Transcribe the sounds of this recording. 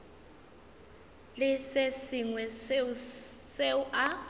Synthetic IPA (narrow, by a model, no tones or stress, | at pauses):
lɪsesiŋwɛs | seuʔa